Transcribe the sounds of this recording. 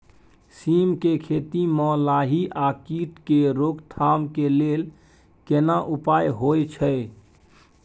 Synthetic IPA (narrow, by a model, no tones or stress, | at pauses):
simkekʰet̪imɔlaɦiʔakiʈkeɾokt̪ʰamkelel | kenaʔupajɦojt͡ʃʰəj